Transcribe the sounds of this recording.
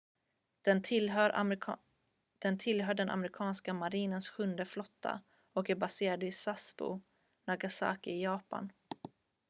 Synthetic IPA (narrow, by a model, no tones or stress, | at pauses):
lɾ | d̪̥ɛnt̪ʰɪlɦœːɖɛna̰mɾɪkʰɑːnskamaɾiːnənsɧɵnd̪əflɔt̪ʰːa̰ | ɔkæɾbaseːɾad̪əɪsasbʊ̰ | naɡasa̰ːkɪɪjɑːpa̰n